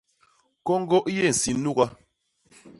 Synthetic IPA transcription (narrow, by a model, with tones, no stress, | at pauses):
kɔ˦ŋ̩˦ɡɔ˦ʔje˦˨n̩˨si˨n˦u˦ɣa˦